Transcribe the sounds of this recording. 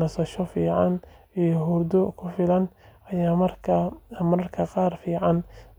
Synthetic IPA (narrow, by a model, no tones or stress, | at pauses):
ɐsɐʃɔfiːʕɑn | ijɔɦuːrd̪ɔkʰʊfɪlɐn | ɐjaːmɐrkʰɐmɐɾɐrkʰɐqɑːrfiːʕɑn